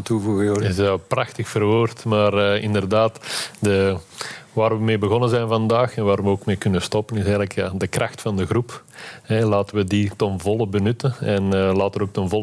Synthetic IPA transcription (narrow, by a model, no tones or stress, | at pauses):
tuvuɣɪɛprɑxtəxfərʋøːrtmaːrəːɪ̰ndərdaːtdə | ʋaːrʋəmeːbəɣɔnənzɛjnvɑndaːxɛnʋaːɾʋəoːkmeːkʏnəstɔpənɪsɛjɣləkja̰ːdəkrʔɑxtfɑndəɣrupɛlaːtəʋəditɔnvɔlˠəbənʏtənɛnlaːtəəoːk̚tɔnvɔl